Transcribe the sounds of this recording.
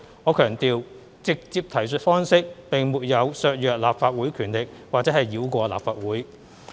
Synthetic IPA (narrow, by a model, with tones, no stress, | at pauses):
ŋɔː˨˧kʰœː˨˩ŋt̪iː˨w | t͡sɪ˨k̚t͡siː˧p̚t̪ʰɐ˨˩jsɵ˧t̚fɔː˥ŋsɪ˥k̚pɪ˨˩ŋmuː˨t̚jɐ˨˧wsœː˧k̚jœː˨k̚laː˨p̚faː˧t̚wuː˨˥jkʰyː˨˩nlɪ˨k̚waː˨˩k̚t͡sɛ˨˥hɐ˨jːiː˨˥wkʷɔː˧la̰ː˨p̚faː˧t̚wuː˨˥j